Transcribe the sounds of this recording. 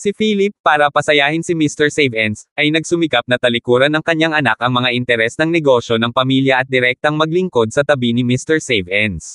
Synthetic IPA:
sɪfiːlɪpːaːɾɐpɐsɐjaːhɪnsɪmist̪ɛɹsɛjvɛnsʔɐjnɐɡ̚sʊmɪkap̚nɐt̪ɐlɪkuːɾɐnɐŋkɐɲaŋʔɐnakɐŋmɐŋaʔɪnt̪ɛɾɛsnɐŋnɛɡo̞ʃo̞nɐŋpɐmiljɐʔɐt̪̚d̪ɪɾɛk̚t̪oɐŋmɐɡ̚lɪŋko̞d̪̚sɐt̪ɐbinɪmist̪ɛɹsɛjvʔɛns

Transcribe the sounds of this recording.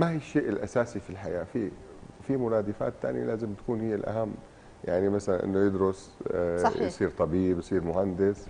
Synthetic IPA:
mahiːʃːeːʔɪlʔasaːsifilħaja̰ːfi | fimʊɾaːd̪ɪfa̰ːt̪ːa̰ːnjalaːzɪmt̪ḁkuːnhijːɪlʔa̰ɦamː | jaʕnimasalanʔɪ̰nːojɪd̪ɾʊs | jsˤiːɾt̪ˤɑbiːbjsˤiːɾmʊhand̪ɪs

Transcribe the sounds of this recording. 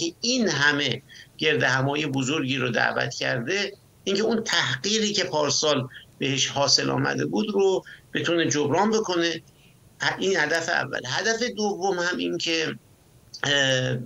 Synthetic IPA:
einɦæme̞ɟ̥e̞ɾd̪ehæmɒːjebozo̞ɾɟiːɾod̪æ̰ʔvæ̰t̪ʰcʰæɾd̪e̞ | iŋcʰeunt̪ʰæhɢiːɾiːcʰe̞pʰɒːɾsɒːlbe̞he̞ʃhɒːse̞lɒ̰ːmæ̰d̪e̞buːd̪ɾob̥e̞t̪ʰune̞d͡ʒobɾɒːnbe̞kʰo̞ne̞ | hinhæd̪æfeæ̰vːæ̰lhæd̪æfe̞d̪ovːomhæmincʰe̞

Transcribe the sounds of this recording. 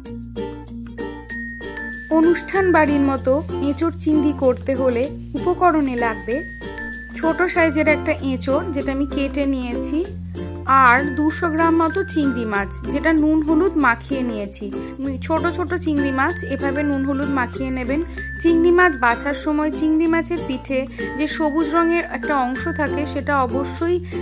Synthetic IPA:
onuʃʈʰanbaɾiɾmɔt̪oẽt͡ɕoʈt͡ɕiŋd̪ikoɾt̪eɦole | upokɔɾonelaɡ̚be | t͡ɕʰoʈoʃaed͡ʑeɾɛk̚ʈaʔẽt͡ɕoɾd͡ʑeʈaamikeʈenijet͡ɕʰi | aɾd̪uɾʃoɡɾamːɔt̪ot͡ɕiŋd̪imad͡ʑd͡ʑeʈanunɦolud̪makʰienijet͡ɕʰi | mit͡ɕʰoʈot͡ɕʰoʈot͡ɕiŋɾimat͡ɕebʱabenunɦolud̪makʰienebent͡ɕiŋɾimad͡ʑbat͡ɕʰaɾʃɔmɔet͡ɕiŋɾimɛt͡ɕeɾpiʈʰed͡ʑeʃobud͡ʑɾɔŋeɾɛk̚ʈaɔŋʃot̪ʰakeʃeʈaɔboʃːoj

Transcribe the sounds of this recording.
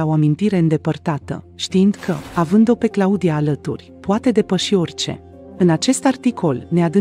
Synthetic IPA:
ao̞amint̪iɾe̞ɨnd̪e̞pərt̪at̪ə̰ | ʃt̪iind̪̥kʰəavɨnd̪o̞pe̞klaud̪ijaːlət̪urʲpoat̪e̞d̪e̞pəʃio̞rʲt͡ʃe̞̰ | ɨnat͡ʃe̞st̪art̪ikʰo̞lne̞ad̪ɨ

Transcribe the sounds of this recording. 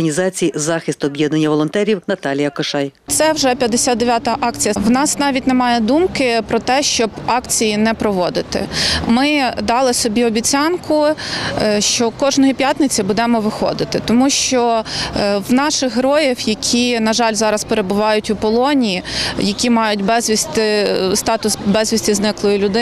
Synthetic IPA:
ɐnʲizɑt͡sʲijizɑxɪst̪ʊɔbʲjeɛd̪nɐnʲːɐʋɔlˠɔnt̪ɛɾʲiwnɐt̪ɑlʲijɐkɔʃɑjt̪sɛwʒɛpʲjɐd̪ːesʲad̪d̪eʋʲjat̪ɐʔɑkt͡sʲijɐwnɑsnɑʋʲit̚ʲnɛmɑjɛd̪umkɪpɾɔt̪ɛʃt͡ʃɔbɑkt͡sʲijinɛpɾɔʋɔd̪ɪt̪ɪ̰mɪd̪ɑlˠɪsɔbʲiɔbʲit͡sʲɑnkʊ | ʃt͡ʃɔkɔʒnɔjipʲjat̪nɪt͡sʲibud̪ɛmɔʋɪxɔ̰d̪ɪt̪ɪt̪ɔmuʃt͡ʃɔ | wnɑʃɪxɦɾɔjiwjɐkʲʰinɐʒɑlʲzɑɾɐspeɾebʊʋɑjʊtʲʊpɔlˠɔnʲijijɐkʲimɑjʊt̚ʲbɛzʲʋʲisʲt̪ɪst̪ɑt̪ʊsbɛzʲʋʲisʲtʲiznɪklˠɔjʊlʲʊd̪ɪ

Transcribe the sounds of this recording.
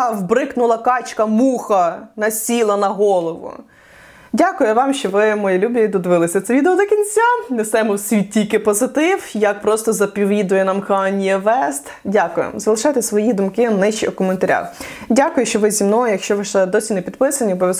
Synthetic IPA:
wbɾɪknʊlˠɐkɑt͡ʃkɐmuxɐnɐsʲilˠɐnɐɦɔlˠɔʋʊ̰ | dʲakʊjʊʋɑmʃt͡ʃɔʋɪmɔjilʲubʲɐid̪ɔd̪ʋɪlˠɪsʲɐt̪sɛʋʲid̪eɔd̪ɔkʲinʲt͡sʲanest̪ɛmɔwsʲʋʲitʲːikɪpɔzɪt̪ɪwjɐk̚pɾɔst̪ɔzɐpʲiʋʲid̪ʊjɛnɐmkɑnʲijɛʋɛst̪ | dʲakʊjɪ̰mzɐlˠɪʃɑjt̪ɪsʋɔjid̪ʊmkɪnɪʃt͡ʃiɔkɔment̪ɐɾʲa̰wdʲakʊjʊʃt͡ʃɔʋɪzʲimnɔjɐkʃt͡ʃɔʋɪʃlˠɛd̪ɔsʲinepʲid̪pɪsɐnʲiɔbɔʋʲjʲɐz

